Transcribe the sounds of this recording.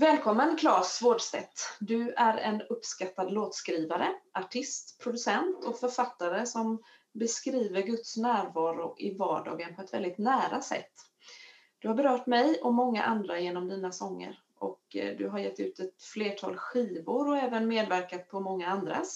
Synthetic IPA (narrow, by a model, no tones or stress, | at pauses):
vɛːlkʰɔmːənkʰlɑːsvoːɖst̪ɛ̰t̪ːd̪ɵæɾɛ̰nɵpːskat̪ːad̪loːt̪skɾiːvaɾəʔaʈʰɪst̪pʰɾʊd̪ɵsɛnt̪ʰɔfœɾfat̪ːaɾəsɔmbɛskɾiːvəɾɡɵt̪snæːɾvɑːɾʊʔɪvɑːɖɑ̰ːɡənpʰɔɛt̪vɛ̰ld̪ɪt̪næːɾasɛ̰t̪ː | d̪̥ɵhaɾbɛɾœːʈmɛjɔmɔŋːa̰ʔand̪ɾajeːnɔmd̪iːnasɔŋːə̰ɾ | ʔɔ̰kd̪ɵ̰ɦaɾjɛt̪ːʉ̟ːt̪ɛt̪fleːʈʰɑ̰ːlɧiːvʊɾɔɛːvənmeːd̪væɾkat̪̚pʰɔmɔŋːaand̪ɾa̰